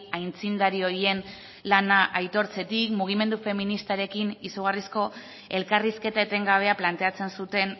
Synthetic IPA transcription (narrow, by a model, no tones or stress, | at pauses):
ajnt͡sind̪aɾio̞ɾie̞n | lanaʔajt̪o̞ɾt͡se̞t̪ikmuɣ̞ime̞nd̪ufe̞minist̪aɾe̞kinisuɣ̞arisko̞ | e̞lkariske̞t̪aet̪e̞ŋɡaβ̞e̞aplant̪e̞at͡se̞nsut̪e̞n